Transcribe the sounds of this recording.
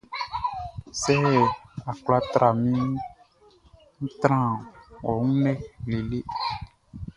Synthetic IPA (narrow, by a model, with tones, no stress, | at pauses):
sɛ˦˨a˨k͡pla˦t̪ɾa˨mĩ˦ | ŋ̩̃˦t̪ɾã˦wɔ˨ŋũ˦nɛ˦li˨le˦